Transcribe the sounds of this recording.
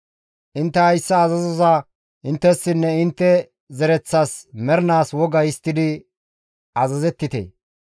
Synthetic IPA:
ʔɪnt̪ːɛhɐjsːɐːzɐzɔzɐ | ʔɪnt̪ːɛsːɪnːɛɪnt̪ːɛ | zɛɾɛt͡sːaːsmɛɾnaːswɔɡɐjɪst̪ːɪd̪ɪ | ɐzɐzɛt̪ːɪt̪ḛː

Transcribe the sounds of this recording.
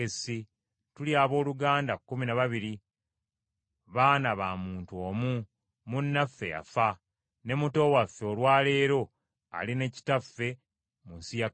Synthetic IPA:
esi | tuljaːβo̞ːluɡaːndakːuminaβaβiɾi | βaːnaβaːmuːntuo̞ːmu | munːafːe̞̰ja̰fa | ne̞muto̞wafːeolwaːle̞ːɾo̞ | a̰line̞ci̥tafːe̞ | munsija

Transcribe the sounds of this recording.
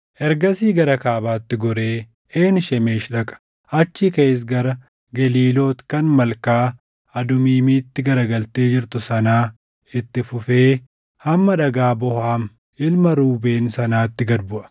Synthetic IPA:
ʔɛɾɡɐsiːɡɐɾɐkaːbaːt̪ːɪɡɔɾe̞ː | eːnʃɛme̞ːʃᶑɐkʼɐ̥ | ɐt͡ʃːɪkes̬ɡɐɾɐ | ɡɐliːlo̞ːt̪kɐnmɐlkaː | ɐd̪ʊmiːmiːt̪ːɪɡɐɾɐɡɐlt̪e̞ːd͡ʒɪɾt̪ʊsɐnaː | ɪt̪ːɪfʊfe̞ː | hɐmːɐᶑɐɡaːbɔhaːm | ɪlmɐɾuːbe̞ːnsɐnaːt̪ːɪɡɐd̪bʊʔɐ̥

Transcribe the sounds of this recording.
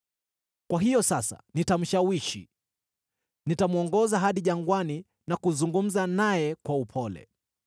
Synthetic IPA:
kwaɦijɔsasa̰nitam̩ʃawiʃḭ | nitamuɔŋɡɔzaɦaɗiʄaŋɡwani | nakuzuŋɡum̩zanajɛkwaupʰɔlɛ̰

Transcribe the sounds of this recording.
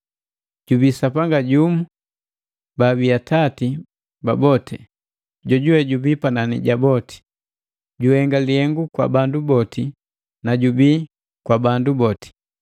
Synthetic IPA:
ɟ̥ubiːsapaŋɡaɟumu | babiatati | babɔtʰɛ | ɟɔɟuwɛɟubiːpananḭɟabɔti̥ | ɟuhɛŋɡalihɛŋɡukwa̰bandubɔti | naɟubiː | kwabandubɔti̥

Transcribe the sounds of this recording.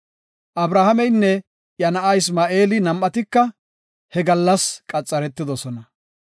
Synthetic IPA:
ʔɐbɾaːhɐmɛjnːɛ | jɐnɐʔɐjɪsmaːʔe̞ːlɪnɐmʔɐt̪ɪkːɐ | hɛɡɐlːɐskʼɐt͡sʼːɐɾɛt̪ːɪd̪ɔsɔnɐ

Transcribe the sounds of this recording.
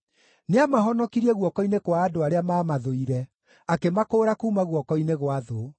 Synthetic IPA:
neamaɦɔnɔkiɾiɛɣwɔkɔinekwaːdoaɾeamaːmaðoiɾɛ | akemakoːɾakuːmaɣwɔkɔineɣwaðo

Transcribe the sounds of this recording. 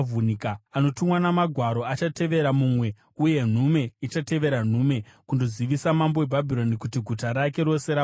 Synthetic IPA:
vunikaano̞tumwanamaɡʱwaɾo̞at͡ʃate̞ʋe̞ɾamumwe̞ | uje̞n̤ume̞it͡ʃate̞ʋe̞ɾan̤ume̞kundo̞ziʋisamambo̞webʱabʱiɾo̞nikutiɡʱutaɾake̞ɾo̞se̞ɾa

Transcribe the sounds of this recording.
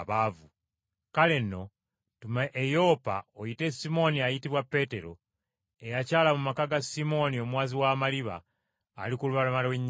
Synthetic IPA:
βavu | kale̞nːo̞ | tumaʔejo̞ːpa̰ojite̞simo̞niajitiβwapːe̞ːte̞ɾo̞̰ | e̞jacaːlamumakaɡasimo̞nio̞mwaːziwaːmaliβa̰ː | likuluβalamalweɲː

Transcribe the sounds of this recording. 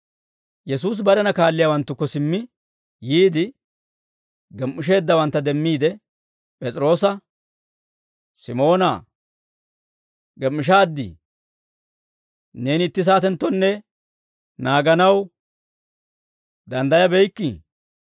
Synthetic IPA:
jɛsuːs̬bɐɾɛnɐkaːlːɪjawɐnt̪ːʊkːɔsɪmːɪ | jiːd̪ɪ | ɡɛmːɪʃ̬e̞ːd̪ːɐwɐnt̪ːɐd̪ɛmːiːd̪ɛ | pʼɛt͡sʼɪɾo̞ːsɐ | sɪmo̞ːna̰ | ɡɛmːɪʃ̬aːd̪ːḭ | ne̞ːnɪt̪ːɪs̬aːt̪ɛnt̪ːɔnːɛ | naːɡɐnɐw | d̪ɐnd̪ɐjɐbɛjkːi

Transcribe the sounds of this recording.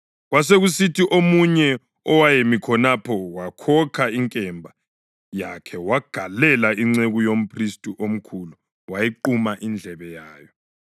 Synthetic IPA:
ɣwas̬eɣusitʰiʔomuɲɛ | ɔwajemikʰɔnapʰɔwakʰɔkʰaiŋkʼɛmbʱa | jakʰɛwaɡ̥ʱalɛlaiŋ͡ǀeɣujom̩pʰristʼuʔom̩kʰulu | wajiǃumaʔind͡ɮʱɛβɛjaːjɔ

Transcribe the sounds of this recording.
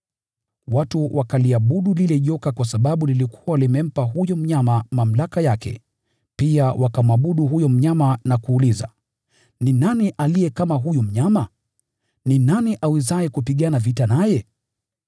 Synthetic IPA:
watuwʔakaliaɓuɗulilɛʄɔkakwas̬aɓaɓulilikʰu̥walimɛm̩paɦujɔm̩ɲamamam̩lakajakɛ̰ | piawʔakam̩aɓuɗuɦujɔm̩ɲamanakuːliza̰ | ninaniʔalijɛkamaɦujum̩ɲama | ninaniʔawizaɛkupiɠanavitanajɛ

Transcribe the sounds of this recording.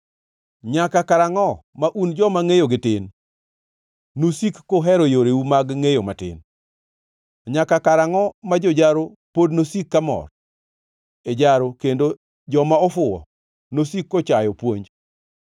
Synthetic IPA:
ɲakakaɾaŋɔ | maʔund͡ʒɔmaŋejoɡɪtɪn | nosikːoɦɛɾojoɾeumaɡŋejomatɪ̰n | ɲakakaɾaŋɔmad͡ʒod͡ʒaɾo | podnosikːamɔ̰r | ed͡ʒaɾokendo | d͡ʒɔmaɔfʊɔ̰ | nosikːot͡ʃajɔpwoɲd͡ʒ

